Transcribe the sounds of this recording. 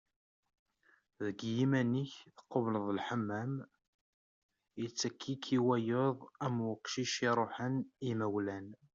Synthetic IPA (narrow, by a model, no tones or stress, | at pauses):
ðəɡjimæniçθəqːovləðˤəlħəmːæm | jət͡sːækʰːikʰːiwæjoðˤæmwəqʃiʃiɾˤoħənimæwlæn